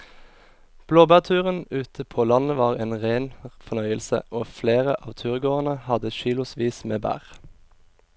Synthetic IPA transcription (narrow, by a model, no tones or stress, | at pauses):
b̥loːbæːʁt̪ʰʉːʁənʉːt̪ʰəpʰoːlɑnəʋɑːʁeːnʁeːnfɔnœʏəlsə̰ʔoːfleːʁəʔɑːʋt̪ʰʉːʁɡoːʁənəhɑd̪əʃiːlʊsʋiːsmeːbæ̰ːʁ